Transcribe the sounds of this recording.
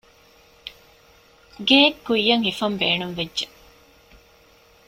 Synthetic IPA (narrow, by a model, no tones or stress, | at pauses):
ɡeːkːuijːɐŋhifɐmbeːnumʋedʒe